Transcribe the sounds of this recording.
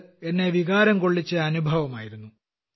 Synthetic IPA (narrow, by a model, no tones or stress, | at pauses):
e̞nːe̞ʋiɣaːɾɐmko̞ɭːit͡ɕːɨɐnubʱɐʋɐmaːjiɾunːu